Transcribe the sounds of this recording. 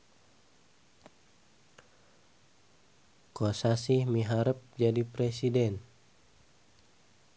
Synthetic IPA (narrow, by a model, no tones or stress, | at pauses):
kosasihmiɦaɾəp̚d͡ʒadipɾɛsidɛn